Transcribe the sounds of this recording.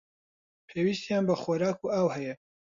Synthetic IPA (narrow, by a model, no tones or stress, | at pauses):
pʰeːwist̪jaːnbɐχoːɾaːkuːaːwhɛjɛ